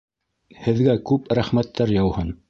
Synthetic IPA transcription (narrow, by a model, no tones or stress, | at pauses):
hɘ̆ðɡækʉpɾæχmæt̪ːæɾjɑwhɤn